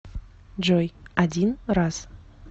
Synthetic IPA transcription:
d͡ʒojadʲinraz̥

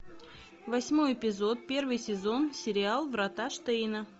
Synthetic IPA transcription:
vɐsʲmojɪpʲɪzo̞t̪̚pʲe̞rvɨjsʲɪzo̞nsʲɪɾʲɪalˠvɾɐt̪aʂt̪ɛjnə

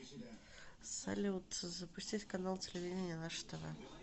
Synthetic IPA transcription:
sa̰lʲɪʊt̪əzəpʊsʲtʲitʲkɐnalˠtʲɪlʲɪvʲidʲɪnʲɪjənˠaʂt̪əvə

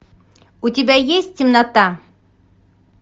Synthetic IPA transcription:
ut̪ʲibæjesʲt̪ʲimnɑt̪ɑ

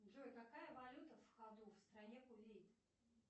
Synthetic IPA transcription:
ʐojkakajəvɐlʲut̪əfxad̪ufst̪ɾɐnʲekʊvʲejt̪

